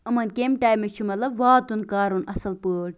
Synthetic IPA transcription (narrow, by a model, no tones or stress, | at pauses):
ɐmɐnkemʈaːjmːet͡ʃʰumɐt̪lɐbʋaːt̪unkaːɾunɐsɐlpəːɽ̚